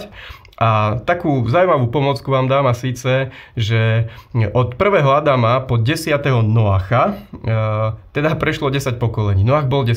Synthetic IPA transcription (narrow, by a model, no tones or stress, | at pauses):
ʔat̪akuːzaumaʋuːpɔmɔt͡skuʋaːmd̪aːmasiːt͡sɛʒɛʔɔt̪pr̩ʋɛːɦɔad̪amapɔɟɛsɪat̪ɛɦɔnɔaːxa | t̪ɛd̪apɾɛʃlɔɟɛsac̚pɔkɔlɛɲiːnɔaɣbɔlɟɛ